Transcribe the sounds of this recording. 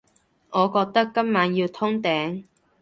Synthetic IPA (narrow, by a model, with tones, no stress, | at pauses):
ʔɔː˨˧kɔː˧k̚t̪ɐ˥kːɐ˥mmaː˨˧˥njiː˧wt̪ʰʊ˥ŋt̪ɛː˨˥ŋ